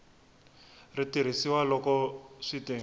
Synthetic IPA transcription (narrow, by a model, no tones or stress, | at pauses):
ritiɾ̤isiwalɔkɔʂiti